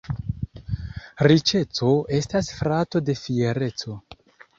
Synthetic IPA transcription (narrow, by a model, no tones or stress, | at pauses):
ɾit͡ʃe̞t͡so̞e̞stasfɾato̞de̞fie̞ɾe̞t͡so̞